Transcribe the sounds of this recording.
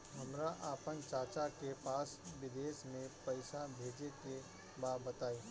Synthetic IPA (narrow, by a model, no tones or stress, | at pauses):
ɦɐmɾaʔaːpənt͡ʃaːt͡ʃakepaːsʋɪd̪eːʃmẽpɐɪsabʱeːd͡ʒeke | baːbət̪aːiː